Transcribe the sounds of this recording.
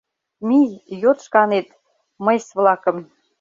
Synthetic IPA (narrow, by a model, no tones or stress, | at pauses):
mijjot̪ʃkɑnet̪ | məjsβlɑkə̆m